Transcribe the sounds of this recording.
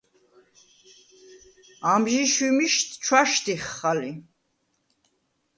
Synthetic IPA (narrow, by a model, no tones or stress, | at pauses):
amʒiʃwimiʃt̪ʰt͡ʃʰwaʃt̪iχːali